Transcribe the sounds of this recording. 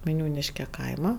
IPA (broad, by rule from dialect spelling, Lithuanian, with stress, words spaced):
ʋɐɪˈnʲuːnʲɪʃʲkʲɛ ˈkɐɪmɐ